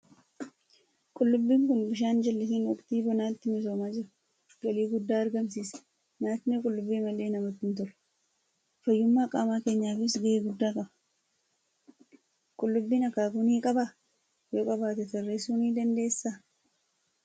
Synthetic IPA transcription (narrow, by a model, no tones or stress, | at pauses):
kʼʊlːʊbːiːŋkʊnbɪʃ̬aːnd͡ʒɐlːɪsiːnwɔkʼt̪iːbɔnaːt̪ːɪmɪs̬oːmaːd͡ʒɪɾɐ | ɡɐliːɡʊd̪ːaːɐɾɡɐmsiːsɛ̥ | naːt̪ɪnɛkʼʊlːʊbːiːmɐlːe̞ːnɐmɐt̪ːɪnt̪ɔlɐ̥ | fɐjːʊmːaːkʼaːmaːke̞ːɲːaːfɪsɡɐʔeːɡʊd̪ːaːkʼɐbɐ | kʼʊlːʊbːiːnɐkːaːkʊniːkʼɐba | joːkʼɐbaːt̪ɛt̪ɛrːeːsuːniːd̪ɐnd̪e̞ːsːaː